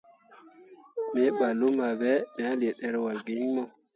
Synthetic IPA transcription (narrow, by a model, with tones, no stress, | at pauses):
mɛ˦ɓa˨lu˦ma˨bɛ˦mɛ˨a˦lɛ˨ɗɛ˦ɾwa˨ɡi˦ɲmɔ˦